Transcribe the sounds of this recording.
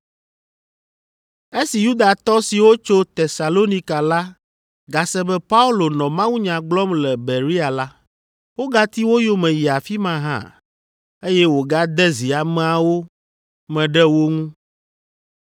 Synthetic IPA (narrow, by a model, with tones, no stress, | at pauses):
e˦si˨ju˦d̪a˨t̪ɔ˦si˨wo˦t͡ʃo˦t̪e˨sa˨lo˦ni˦ka˨la˦ | ɡa˨sɛ˦bɛ˦pa˦u˦lo˨nɔ̃˨mã˦wu˦ɲã˨ɡ͡blɔ˦mlɛ˨be˨ɾi˦a˨la˦ | wo˦ɡa˦t̪i˦wo˦jo˦mɛ̃˨ji˨a˨fi˦mã˦ɦã̰˦˨ | e˦jɛ˦wo˨ɡa˦d̪ɛ˦zi˨a˨mɛ̃˦a˦wo˦ | mɛ̃˨ɖɛ˦wo˦ŋũ˦